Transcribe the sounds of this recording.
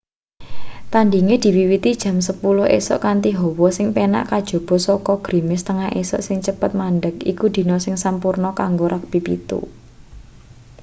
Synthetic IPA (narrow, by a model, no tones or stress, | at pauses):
t̪andiŋed̪̥i̤wiwit̪id̥ʒ̥a̤msəpulʊhḛsɔ̰ʔkant̪iɦɔwɔsɪŋpena̰ʔkad̥ʒ̥o̤b̥ɔ̤sɔkɔɡ̥ɾi̤mɪst̪əŋaɦʔḛsɔ̰ʔsɪŋt͡ʃəpət̪̚manɖəkḭkud̪̥i̤nɔsɪŋsampurnɔkaŋɡoɾak̚b̥ipḭt̪ṵ